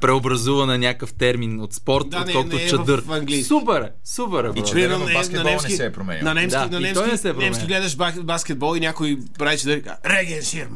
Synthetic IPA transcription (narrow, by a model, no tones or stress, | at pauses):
pɾɛobɾɐzuvɐnɐnʲakəft̪ɛɾminot̪spɔɾt̪anɛɔlˠk̪ʊt͡ʃɐvd̪ɤɾfɐŋɡlijsksupɛɾɛ | supɛɾɛiɾiɛnɛlnknɐnɛmsiɛpɾomɛ̰ɲ̰ʲnɐnɛmsanɐnimt̪ɔjnɛsɛpɾoɛmskʲiɡlɛd̪ɐʃbabaskʲɛd̪̚bɔlˠinʲjakoi | bɾait͡ʃɐd̪əɾa̰ɾɛɡɛnʃiɾm